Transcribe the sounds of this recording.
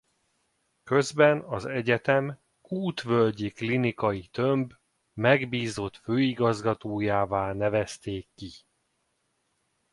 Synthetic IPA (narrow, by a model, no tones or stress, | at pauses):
kø̞zbɛnɒzɛɟɛt̪ɛm | kuːt̪ʋølɟiklinikɒjit̪ømb | mɛɡbiːzot̪føːiɡɒzɡɒt̪oːjaːvaːlnɛvɛst̪eːkːi